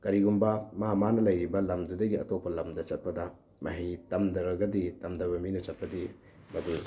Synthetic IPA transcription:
kɐɾiɡumbɐmamanɐlɐjɾibɐlɐmdudɐɡiɐ̰topʰːɐlɐmdɐt͡ʃɐt̚pɐdɐ | mʔɐ̰ɦitɐmdɐɾɐɡɐditɐmdɐbɐminɐt͡ʃɐt̚pɐdi | bɐdu

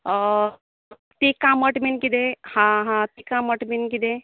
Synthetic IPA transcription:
t̪ekãməʈminkid̪ehãɦãt̪ekãməʈminkid̪e

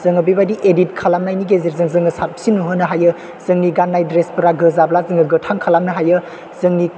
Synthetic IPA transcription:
z̥ɯŋɐbibadiʔedit̚kʰalamnajniɡeziɾzɯŋzɯŋɯsat̚psinuɦɯnɐɦajɯ | z̥ɯŋniɡanːajdɾespɐɾaɡɯzablazɯŋɯɡɯtʰaŋkʰalamnɐɦajɯ | z̥ɯŋni

